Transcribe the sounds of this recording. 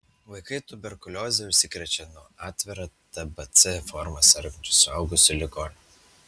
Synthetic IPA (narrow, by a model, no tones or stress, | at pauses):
ʋɐɪkɐɪt̪ʊbʲɛɾkʊlʲoːzʲɛʊʃʲsʲɪkɾʲɛt͡ʃʲɛnʊɑːt̪ʲʋʲɛɾɐt̪ɐbɐt̪sʲɛfɔɾmɐsɐɾʲɡʲɐnʲt͡ʃʲʊsʊɐʊɡʊsʲʊlʲɪɡoːnʲ